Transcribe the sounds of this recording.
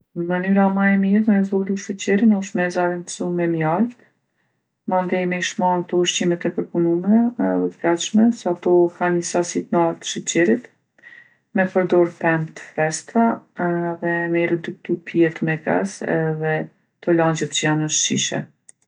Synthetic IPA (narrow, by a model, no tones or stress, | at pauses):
nəmənyɾamaɛmiɾmɛzvɔluʃət͡ɕɛɾinɔʃt̪mɛzaɾinsumɛmjalt̪ | mand̪ɛjmɛiʃmant̪ɔuʃt͡ɕimɛt̪ɛpəɾpunumɛnɛðɛt̪əɡat̪ʃmɛsɛat̪ɔkanəsasit̪nalt̪ə̥ʃət͡ɕɛɾit̪ | mɛpəɾd̪ɔɾpɛmt̪ə̥fɛst̪aɛðɛmɛɾɛd̪uk̚t̪upʰjɛt̪mɛɡa̰sɛ̰ðɛ | t̪ɔlaɲd͡ʑɛt̪t͡ɕəjanəʃt͡ʃiʃɛ̰